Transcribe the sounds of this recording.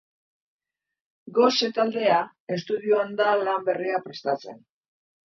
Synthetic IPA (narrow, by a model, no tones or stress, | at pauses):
ɡo̞set̪ald̪e̞a | e̞st̪uðiuand̪alambe̞riapɾe̞st̪at͡se̞̰n